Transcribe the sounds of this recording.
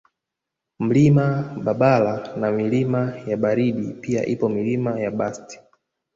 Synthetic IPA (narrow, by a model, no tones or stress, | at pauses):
m̩limaɓaɓalanamilimajaɓaɾiɗipia̰ʔipɔmilimajaɓasti̥